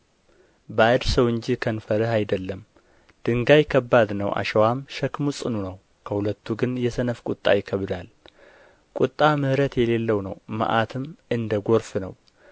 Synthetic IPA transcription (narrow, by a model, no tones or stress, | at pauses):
bad̪səwɨɲd͡ʒikʰənfəɾəɦajd̪əlːəm | d̪̥ɨŋɡajɪkʰːəbːad̪nəwʔa̰ʃɛwamʃəkmusʼɨnunəw | kʰəhulət̪ːuɡɨnjɛsənəfkʼʊt̪ʼːa̰jɪkʰəβd̪al | kʼut̪ʼːamɨhɾət̪jɛle̞lːəwnəwmə̰ʔat̪ʰɨmɨnd̪əɡo̞ɾfnə̰w